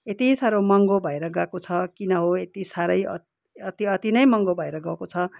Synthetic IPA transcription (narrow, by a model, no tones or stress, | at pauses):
et̪isaɾomʌŋɡobʱʌeɾʌɡakot͡sʰʌkinʌɦoet̪isaɾʌjʌ̰ | ʌt̪iʌt̪inʌjmʌŋɡobʱʌeɾʌɡawkot͡sʰʌ